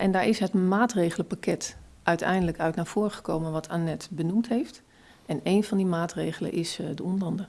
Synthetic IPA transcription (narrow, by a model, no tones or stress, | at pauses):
ʔɛndaːɹɪsɦətmaːtrejɣələpakɛt | ʔœɥtʰɛ̰jndələkœɥtnaːɹv̥ʊːɹχə̥kowmənʋɑtʰanɛtbənumtɦeːft | ʔɛnejnv̥ɑndimaːtrejɣələ̰nʔɪsdəondəlɑndə